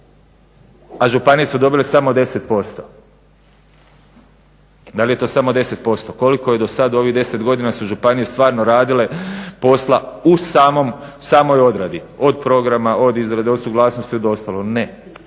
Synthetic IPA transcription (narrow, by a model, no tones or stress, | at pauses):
aʒupanije̞sud̪o̞bilesamo̞d̪e̞se̞t̪po̞st̪o | d̪alije̞t̪osamo̞d̪e̞se̞t̪̚po̞st̪o̞ko̞liko̞je̞d̪o̞sad̪o̞ʋiɦd̪e̞se̞t̪ɡo̞d̪inasuʒupanije̞st̪ʋaːɾnoɾaːd̪ile̞po̞slausaːmo̞msaːmo̞jo̞d̪ɾad̪io̞d̪̚pɾo̞ɡɾamaʔo̞d̪izɾad̪eo̞d̪suɡlˠaːsnost̪iod̪o̞st̪alˠone